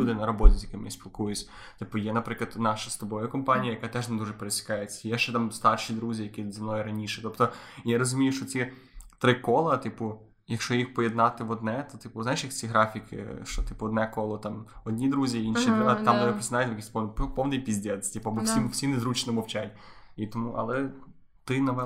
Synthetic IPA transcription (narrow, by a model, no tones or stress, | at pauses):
ud̪ɪnɐɾɔbɔtʲɪzʲjɐkɪmɪsʲpʲilˠkujʊt͡sʲ | t̪ɪpʊjɛnɐpɾɪklˠɐt̪nɑʃɐst̪ɔbɔjɐkɔmpɑnʲijɐjɐkɑt̪ɛʒned̪uʐɛpeɾesʲɐ̥kɑjet͡sʲːɐ̥ijɛʃt͡ʃɛt̪ɑmst̪ɑrʃid̪ɾuzʲijɐkʲizɐmnɔjɪɾɐnʲiʃɛ̥t̪ɔpt̪ɔjaɾɔzʊmʲijʊʃt͡ʃɔt͡sʲi | t̪ɾɪkɔlˠɐt̪ɪpʊ | jɐkʃt͡ʃɔjixpɔjed̪nɑt̪ɪʋɔd̪nɛt̪ɔt̪ɪpʊzajɪʃjɐkt͡sʲiɦɾɑfʲikɪ̰ʃt͡ʃɔt̪ɪpʊɔd̪nɛkɔlˠɔt̪ɑmɔdʲnʲid̪ɾuzʲiinʃid̪t̪amd̪ɐɛpɾɪsnajʊt̪ʲjɐkʲisʲpɔnppɔwnɪjpʲizʲdʲɛd̪ʲtʲipʊɐbɔsʲimsʲinɪzɾut͡ʃnɔmɔwt͡ʃatʲit̪ɔmuʔɐ̰lˠɛ | t̪ɪnɐʋɛ